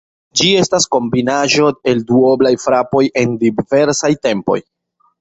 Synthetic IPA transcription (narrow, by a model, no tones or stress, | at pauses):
d͡ʒie̞stasko̞mbinaʒo̞e̞lduoblajfɾapo̞jʔe̞ndive̞ɾsajte̞mpo̞̰j